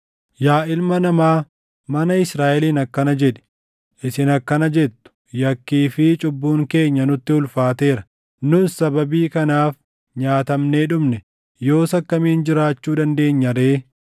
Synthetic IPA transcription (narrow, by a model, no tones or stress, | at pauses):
jaːʔɪlmɐnɐmaː | mɐnɐɪsɾaːʔɛliːnɐkːɐnɐd͡ʒɛᶑɛ̥ | ʔɪsɪnɐkːɐnɐd͡ʒɛt̪ːʊ̥ | jɐkːiːfɪt͡ʃʼʊbːuːŋke̞ːɲːɐnʊt̪ːɪʊlfaːt̪e̞ːɾɐ | nʊsɐbɐbiːkɐnaːf | ɲaːt̪ɐmneːᶑʊmnɛ | jo̞ːsɐkːɐmiːnd͡ʒɪɾaːt͡ʃːuːd̪ɐnd̪e̞ːɲːɐɾeː